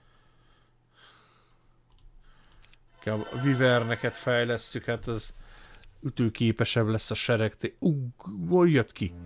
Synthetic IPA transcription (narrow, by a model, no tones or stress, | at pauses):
kabɒ̰vivɛrnɛkɛt̪fɛjlɛst̪ykhat̪ɒz | yt̪øːkeːpɛʃɛblɛsːɒʃɛɾɛkt̪euɡojjøt̪ki